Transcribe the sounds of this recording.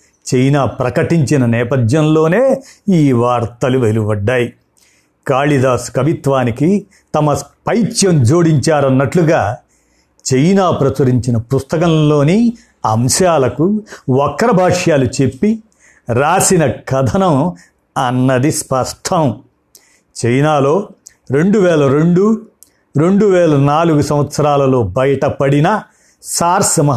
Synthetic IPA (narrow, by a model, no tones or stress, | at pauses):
t͡ʃejnaːpɾɐkɐʈiɲt͡ʃinɐnɛːpɐd̪jɐnlo̞ːneːiːʋaːɾt̪ɐluʋe̞lubɐɖːaːji | kaːɭid̪aːskɐʋit̪ʋaːniki | t̪ɐmɐspɐjt͡ʃjɐmd͡ʒoːɽiɲt͡ʃaːɾɐnːɐʈluɡaː | t͡ʃejnaːpɾɐt͡ʃɐɾiɲt͡ʃinɐpust̪ɐkɐ̃mlo̞ːni | ɐmʃaːlɐkuɔkːɾɐbʱaːʂjaːlut͡ʃe̞pːi | ɾaːsinɐkɐd̪ʱɐnɐm | ɐnːɐd̪ispɐsʈʰɐm | t͡ʃejnaːlo̞ː | ɾe̞ɳɖuʋɛːlɐɾeɳɖu | ɾe̞ɳɖuʋɛːlɐnaːluɡusɐ̃mʋɐt̪sɐɾaːlɐlo̞ːbɐjɐʈɐpɐɽinɐ | saːɾsɐmɐ